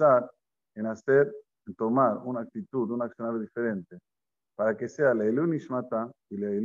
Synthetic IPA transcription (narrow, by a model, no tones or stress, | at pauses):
aɾ | enaseɾ | t̪omaɾunak̚t̪it̪ud̪unaksjonaɾjoðifeɾẽnt̪e | paɾakesealaeluniʃmat̪ailae